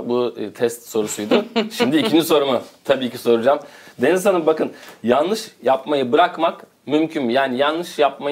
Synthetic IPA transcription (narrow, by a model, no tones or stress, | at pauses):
but̪ʰɛst̪so̞ɾusujd̪ʊʃimd̪iːcʰind͡ʒiso̞ɾumʊt̪ʰabiːciso̞ɾud͡ʒamd̪e̞nizsanɯmbakɯnjanlˠɯʃjapmajɯbɯɾakmak | mymcʰynjaːnijanlːɯʃjap̚ma